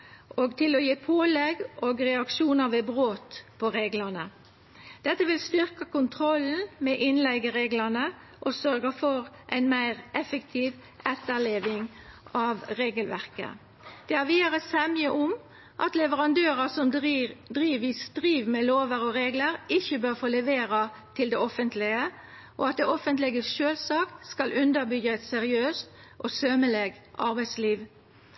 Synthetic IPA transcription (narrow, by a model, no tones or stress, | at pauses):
ʔoːɡt̪ʰɪlɔjeːpʰoːlɛɡoːɡʁɛɑkʃuːnəɾʋebʁoːt̪pʰɔɾeːɡlənə | d̪̥ɛt̪ːəʋɪlst̪ʏʁkəkʊnt̪ʰɾɔln̩mɛʔɪnlɛɡəɾeːɡlənə | ʔɔsœøʁɡəfɔʁʔæɪnmæɪʁʔɛfəkt̪ʰiːʋ | ʔɛt̪ːəleːʋɪŋ | ʔɑʋɾeːɡəlʋæʁkə̰ | d̪̥ɛːæʁʋiːd̪əʁəsɛməʔʊm | ʔɑ̰t̪lɛʋəʁɑnd̪øːʁəsɔmd̪ʁiːʋist̪ʁiːʋmɛloːʋəʁɔɾeːɡləɾɪçəbøʁfoːlɛʋeːɾɑ | t̪ʰɪld̪ɛɔfənt̪lɪə | ʔoɑt̪̚d̪ɛɔfənt̪lɛɡəʃøːlsɑːkt̪skɑlʔʉnd̪əʁbʏɡəɛt̪sɛʁɪøːst̪ʔosøməleɡ | ʔɑʁbæɪsliːʋ